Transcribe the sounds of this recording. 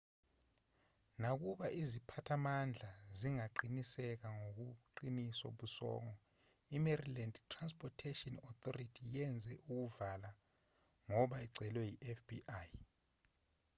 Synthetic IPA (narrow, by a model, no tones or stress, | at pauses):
nak̬uɓaʔizipʰatʰamand͡ɮʱaziŋaǃinisɛk̬aŋok̬uǃiniso̰ɓusɔ̰ːŋɔ | imerilandtʰʼːranspʰʼɔtʰetiɔnɔt̪ʰɔritʰijɛnd͡zʱɛʔuk̬uvala | ŋɔɓaiɡ͡ǀʱɛlwɛjiʔɛfb̥iʔaːj